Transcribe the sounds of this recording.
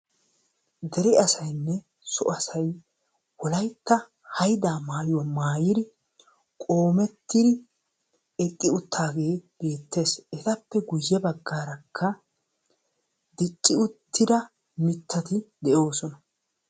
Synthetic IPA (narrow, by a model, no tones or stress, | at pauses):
d̪ɛɾɪɐsɐjnːɛ | sɔ̰ʔɐsɐj | wɔlɐjt̪ːɐ | hɐjd̪aːmaːjʊwɐmaːjɪd̪ɪ | kʼo̞ːmɛt̪ːɪd̪ɪ | ɛt̪ʼːɪʊt̪ʰːaːɡe̞ːb̥e̞ːt̪ːe̞ːsɛt̪ɐpːɛɡʊjːɛbɐɡːaːɾɐkʰːɐ | d̪ɪt͡ʃʼːɪʊt̪ːɪd̪ɐ | mɪt̪ːɐt̪ɪd̪ɛʔo̞ːsɔnɐ